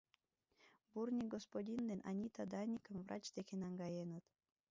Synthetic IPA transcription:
burnʲik̚ɡospodʲind̪enʔɑ̰nʲit̪ɑd̪ɑnʲikə̆mvɾrʔɑ̰t͡ɕd̪ekʲenɑŋɡɑjenət̪

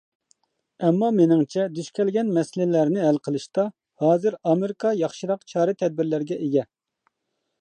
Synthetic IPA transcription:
ɛmːɑmenɪŋt͡ʃʰɛd̪yʃkʲʰɛlɡʲɛnmɛsɪlɪlæɾnɪɦælqʰəlˠɨʃt̪ɑ | hɑːzɨɾɑmeɾɪkʰɑjɑχʃɨɾɑqt͡ʃʰɑːɾɨt̪ʰɛd̪̚bɪɾlæɾɡʲɛʔeɡʲɛ

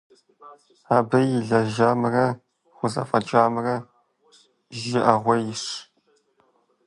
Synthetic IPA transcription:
aːbɐjɪɮɐʒaːmɨrɐ | χʷʊzɐ̰fʼɐd͡ʒaːmɨrɐ | ʒɪʔɐʁʷɐjɪʂ

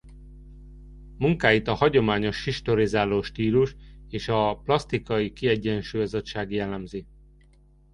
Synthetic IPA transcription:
muŋkaːjit̪ɒhɒɟo̞maːɲo̞ʃhiʃt̪o̞ɾizaːloːʃt̪iːluʃeːʃɒplɒst̪ikɒikiɛɟːɛnʃuːjɒzot̪ʃaːɡjɛlːɛmzi

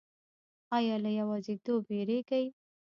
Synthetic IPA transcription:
ɑjɑlajawɑzet̪obeɾeɡaj

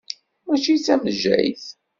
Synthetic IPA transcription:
mæt͡ʃit͡sːæməʒːæ̰jθ

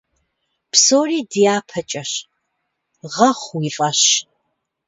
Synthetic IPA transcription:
psoːriːdijaːpʰɐt͡ʃʼɐɕ | ʁɐχʷwiːɬʼɐɕ

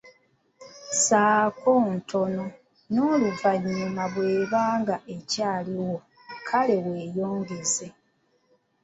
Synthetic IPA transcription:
saːko̞ːntʰo̞no̞ | noːluvaɲːimaβwe̞ːβaːŋɡaʔe̞caːliwo̞ | kʰale̞we̞ːjo̞ːŋɡeze̞

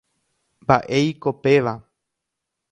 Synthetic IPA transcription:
mbaʔejko̞pe̞ʋa

